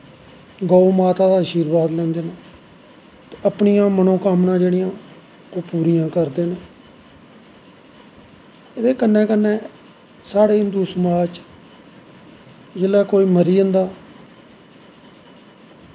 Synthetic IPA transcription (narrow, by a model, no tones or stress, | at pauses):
ɡɔːumaːt̪aːd̪aːəʃiːɾbaːd̪lɛ̃ːnd̪eːnaː | t̪eəpɳijãːmənõːkaːmnãːd͡ʒeːɽɪjãː | oːpuːɾijãːkəɾd̪eːneː | d̪eːkənːɛ̃ːkənːẽː | saːɽeːɪnd̪uːsəmaːt͡ʃ | d͡ʒeːlaːkoːiːməɾiːə̃nd̪aː